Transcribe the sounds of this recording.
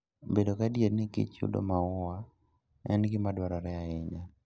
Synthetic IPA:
bedokadjednɪkɪ̰t͡ʃṵdo̰maʊwa | ɛ̰nɡɪmadwaɾɔɾɛaɪɲd͡ʒa

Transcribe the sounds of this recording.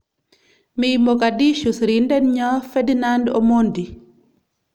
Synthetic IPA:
mimɔkadiʃusɾindɛnɲɔfɛdinandɔmɔndi

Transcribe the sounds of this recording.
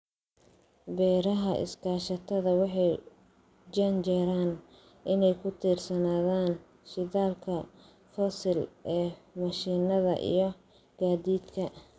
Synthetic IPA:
bɛːɾɐɦɐʔɪ̰skʰaːʃɐt̪ʰɐðɐwɑħɑj | d͡ʒɐnt͡ʃɛɾaːn | ʔɪnɛjkʰʊt̪ʰiːrsɐnaːðaːn | ʃɪðaːlkʰɐ | fɔsɪlɛːmɐʃiːnɐðɐ̰ʔḭjɞ | ɡ̥aːd̪iːd̪kʰɐ

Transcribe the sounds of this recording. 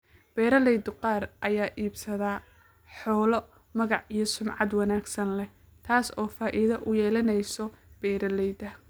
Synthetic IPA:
b̥ɛːɾɐlɛjd̪ʊqɑːrʔɐjaːʔiːbsɐðaː | ħɔːlɔ | mɐɣɑʕijɐsʊmʕɑd̪wɑnaːɡsɐnlɛ | t̪ʰaːsɔːfaːʔɪðɐʔʊjɛːlɐnɛjsɔb̥ɛːɾɐlɛjd̪ɐ

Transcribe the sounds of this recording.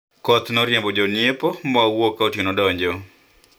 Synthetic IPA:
kɔt̪nɔɾjembɔd͡ʒɔnjepɔmɔawokːaotinɔdɔɲd͡ʒɔ

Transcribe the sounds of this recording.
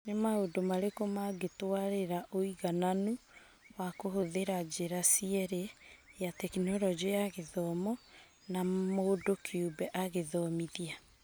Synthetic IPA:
nemaodomaɾekomaɡetwaɾeɾaʔoiɣananu | wakoɦoðeɾad͡ʒeɾasiɛɾejatɛkinɔɾɔd͡ʒejaɣeðɔmɔ | namoːdokʰeubɛʔaɣeðɔmiðia

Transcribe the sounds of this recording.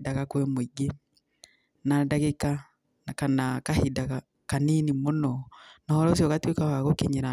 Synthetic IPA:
dakakwɛmoiɡe | nadaɣeka | kanakahidaka | kaninimonɔnahɔɾɔs̬jɔkatwekawaɣokeɲeɾa

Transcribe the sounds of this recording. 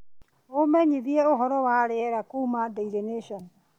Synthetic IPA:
omɛɲiðiɛoɦɔɾɔwaːɾɛɛɾakumadeiɾeneʃɔn

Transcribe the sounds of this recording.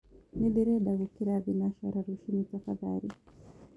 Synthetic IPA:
niɗiɾɛɗaɣukiɾabinaʃa̰ɾaɾuʃinid͡zafaða̰ɾi

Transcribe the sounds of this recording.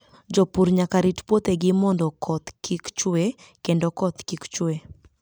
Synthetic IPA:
d͡ʒɔpuɾɲakaɾitpwot̪eɡɪmɔndɔkʰɔt̪kʰikt͡ʃe | kendɔkɔt̪kikt͡ʃwe

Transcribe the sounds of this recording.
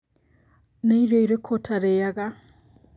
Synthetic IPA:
naiɾoiɾekʰotʰaɾejaɣa

